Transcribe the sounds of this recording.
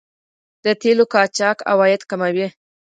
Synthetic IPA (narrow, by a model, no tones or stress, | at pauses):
d̪̥ət̪elokɑt͡ʃɑka̰wɑjɪd̪kamawi